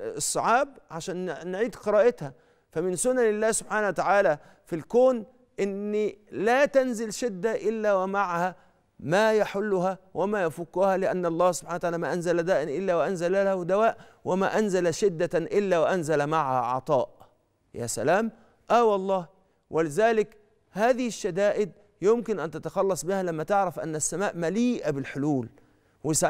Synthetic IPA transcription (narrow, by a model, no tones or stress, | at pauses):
sˤːɑʕɑːbʕaʃæːnnːʕiːd̪qɨɾˤɑːʔɪt̪hæ | fæmɪnsʊnːænɪlːæːhsʊb̥ħaːnawæt̪aʕaːlæ | filkoːn | ʔɪnːilæːt̪ænzɪlʃɪd̪ːaʔɪlːæwæmaʕahæ | mæːjaħʊlːʊhæwʔæmæːjæfukːuhælɪʔænːʔɑlˤːɑːhsʊb̥ħanwat̪aʕaːlːmæːʔænzælæd̪æːʔɪnʔɪlːæːwæʔænzælælæhwd̪æwæːʔ | wɪma̰ːʔænzalæʃɪd̪ːaʔɪlːæːwɪʔænzalæmaʕhæ̰ʕɑ̰t̪ˤɑːʔ | jæ̰ːsæ̰laːm | ʔæːwɑlˤːɑːh | wʔɪlɪzæːlɪk | haːðɪhɪʃːæd̪aːʔɪd̪̚ | jʊmkɪnʔænt̪at̪ɑxɑlːɑsˤbɪhælæmːæt̪ɪʕɾæfʔa̰nːæsːæmaːʔmæliːʔæbɪlħʊluːl | wɪsa